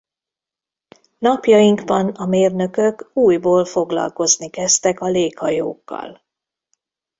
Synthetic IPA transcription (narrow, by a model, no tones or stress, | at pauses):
nɒpjɒjiŋɡbɒnɒmeːrnø̞køkuːjboːlfo̞ɡlɒ̰lko̞znikɛst̪ɛkɒleːkhɒjo̰ːkːɒ̰l